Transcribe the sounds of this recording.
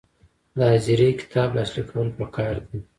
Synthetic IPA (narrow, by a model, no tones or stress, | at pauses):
d̪əhaziɾejkɪ̥t̪ʰɑblaslikʰawəlpəkʰɑːɾd̪i